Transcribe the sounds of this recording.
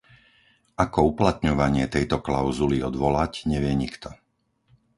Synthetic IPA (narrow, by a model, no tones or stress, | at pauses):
akɔuplat̪ɲɔʋaɲɪɛt̪ɛjt̪ɔklaʊzuliɔd̪ʋɔlacɲɛʋɪɛɲikt̪ɔ